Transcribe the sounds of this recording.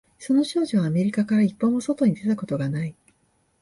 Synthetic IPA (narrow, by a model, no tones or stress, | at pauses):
so̞no̞ɕo̞ːʑiβaːme̞ɾʲikakaɾaipːo̞ːmo̞so̞t̪o̞ɲ̟it̪e̞t̪ako̞t̪o̞ɡanai